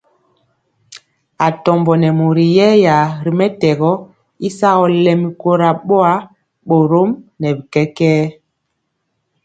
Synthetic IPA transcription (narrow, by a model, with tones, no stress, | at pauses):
a˨tɔ˨mbɔ˨nɛ˨mo˨ɾi˨jɛ˦ja˨ɾi˨mɛ˦tɛ˨ɣɔ˦ | i˦sa˦ɣɔ˦lɛ˨mi˨ko˦ɾa˨ɓo˦a˦ | ɓo˨ɾo˦mnɛ˨bi˨kɛ˦kɛː˦